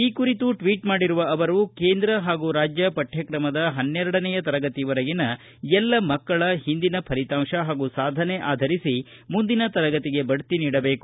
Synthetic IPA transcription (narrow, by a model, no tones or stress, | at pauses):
iːkuɾit̪uʈʋiːʈmaːɽiɾuʋɐɐʋɐɾukeːnd̪ɾɐɦaːɡuɾaːd͡ʒjɐpɐʈʰjɐkɾɐmɐd̪ɐɦɐnːɛɾɐɽɐnɛjɐt̪ɐɾɐɡɐt̪iʋɐɾɐɡinɐ | ɛlːɐmɐkːɐɭɐɦind̪inɐpʰɐɾit̪aːmʂɐɦaːɡusaːd̪ʱɐneʔaːd̪ʱɐɾisi | mund̪inɐt̪ɐɾɐɡɐt̪iɡe̞bɐɽt̪iniːɽɐbe̞ːku̥